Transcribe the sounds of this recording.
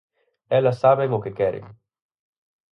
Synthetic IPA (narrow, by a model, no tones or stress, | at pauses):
ɛlːasaβeŋokekɛɾḭm